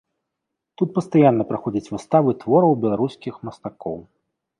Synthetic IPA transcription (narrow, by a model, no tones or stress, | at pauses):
t̪ut̪̚pɐst̪ajanːɐpɾaxɔd͡zʲɐt͡sʲvɨst̪avɨt̪vɔɾɐwbʲɛlˠaɾuskʲixmɐst̪akɔ̰w